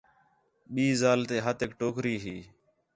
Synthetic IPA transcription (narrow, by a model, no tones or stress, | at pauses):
ɓiːzaːlt̪eːɦət̪eːkʈoːkɾiːɦiː